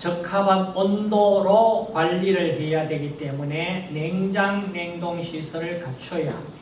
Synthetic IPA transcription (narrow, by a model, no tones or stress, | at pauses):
t͡ɕʌkʰabak̚p͈ondoɾokwaʎːiɾɯɭɦe̞jadwe̞ɡit͈e̞mune̞ne̞ŋd͡ʑaŋne̞ŋdoŋɕʰisʰʌɾɯɭkat͡ɕʰʌja̰